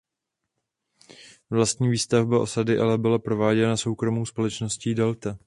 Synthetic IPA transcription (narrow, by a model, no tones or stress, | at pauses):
vlast̪ɲiːviːst̪avbaʔo̞sadɪʔalɛbɪlapɾo̞vaːɟɛnaso̞wkɾo̞muːspo̞lɛt͡ʃno̞sciːdɛlt̪a